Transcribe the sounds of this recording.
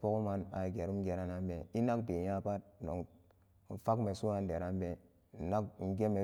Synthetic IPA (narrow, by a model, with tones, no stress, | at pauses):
po˦ko˦ma˦na˨ɡe˨ɾu˦m˦ɡe˨ɾa˦na˦mbe˨i˦na˦k̚be˨ja˦pa˦t̚no˨ŋ̩˨ | fa˦kme˨su˦a˦nde˨ɾa˦mbe˦˨ | na˦kn̩˨ɡe˦me˨